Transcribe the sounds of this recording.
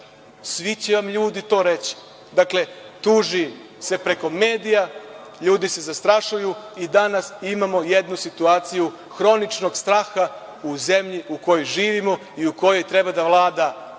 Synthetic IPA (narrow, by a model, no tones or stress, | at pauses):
sʋit͡ɕeʋamʎuːd̪it̪o̞ːɾe̞t͡ɕi̥ | d̪akle̞t̪uʒi | se̞pɾe̞ko̞me̞ːd̪ijaʎuːd̪ise̞zast̪ɾaʃujuid̪anasimamo̞jed̪nusit̪uaːt̪siju | xɾo̞nit͡ʃno̞ɡst̪ɾaːxa | uze̞mʎiuko̞jojʒiːʋimo̞ | iuko̞jo̞jt̪ɾe̞bad̪aʋlˠaːd̪a